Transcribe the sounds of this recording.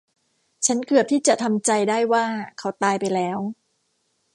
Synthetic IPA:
t͡ɕʰa˦˥nkɯ˨˩əp̚t̪ʰiː˥˩t͡ɕa˨˩ʔt̪ʰa˧mt͡ɕa˧jdaː˥˩jwaː˥˩kʰa˦˥wt̪aː˧jpa˧jlɛː˦˥w

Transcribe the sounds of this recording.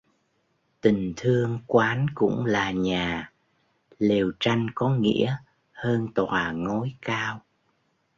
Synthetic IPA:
t̪ï˨˩ŋ̟t̪ʰɨ˧əŋkwaː˨˦nkʊ̰˧˥ŋ͡mlaː˨˩ɲaː˨˩ | le˨˩wt͡ɕa˧jŋkɔ˨˦ŋḭ˧˥ə | həː˧nt̪waː˨˩ŋo˨˦jkaː˧w

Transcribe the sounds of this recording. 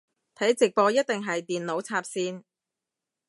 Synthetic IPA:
t̪ʰɐ˨˥jt͡sɪ˨k̚pɔː˧jɐ˥t̚t̪ɪ˨ŋɦɐ˨jt̪iː˨nlo˨˥wt͡sʰaː˧p̚siː˧n

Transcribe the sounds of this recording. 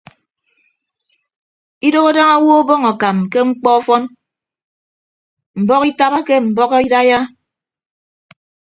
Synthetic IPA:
i˦do˦ɣɔ˦da˦ŋa˦wɔ˦o˦bɔ˦ŋɔ˨ka˨mke˦ŋ͡m̩˦k͡pɔ˦ɔ˦fɔ˦n | m̩˨bɔ˦ki˦ta˦βa˦ke˦m̩˨bɔ˦kɔ˦i˦ɾa˦ja˦

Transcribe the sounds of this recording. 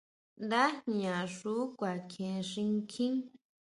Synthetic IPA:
nd̪a˦ɲã˨ʂu˦kʷa˨kʰẽ˨˧ʂĩ˧ŋkʰĩ˦ŋ

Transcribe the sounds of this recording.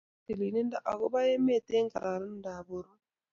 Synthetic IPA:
ti˨li˨ne˦n˦da˦˨ʔa˨ko˦βa˦e˦me˦˨te˦ŋka̰˨ɾa˨ɾi˦n̩˦da˨βo˨ɾu˦

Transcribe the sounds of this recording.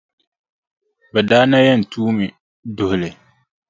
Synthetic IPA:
bɛ˨daː˦na˦jɛ˦n̩˨tuː˦mɪ˨ | dʊ˨hʊ˨lɪ˨

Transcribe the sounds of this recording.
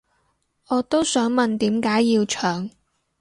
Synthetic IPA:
ʔɔː˨˧t̪o˥wsœː˨˥ŋmɐ˨nt̪iː˨˥mkaː˨˥jːiː˧wt͡ʃʰœː˨˩ŋ

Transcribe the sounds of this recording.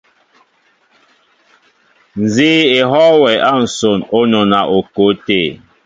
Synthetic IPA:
n̩˨ziː˦e˨ɦɔ˦wɛ˨ʔa˦˨n̩˨so˨no˦nɔ˨na˨ʔo˨ko˨˦te˦˨

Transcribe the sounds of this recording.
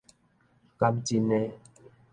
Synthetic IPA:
ka˦mti˦nɛ˦

